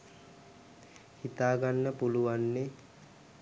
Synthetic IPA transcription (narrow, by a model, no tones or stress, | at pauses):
hit̪aːɡanːəpuluʋanːe